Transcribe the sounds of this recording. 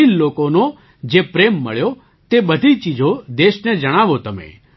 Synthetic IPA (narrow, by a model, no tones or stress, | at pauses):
illoːkono | d͡ʒeːpɾeːmːə̰ɭjo | t̪eɓəd̪ʱit͡ʃid͡ʒʱod̪eːʃnɛd͡ʒəɽ̃aːʋot̪əmḛ̃ː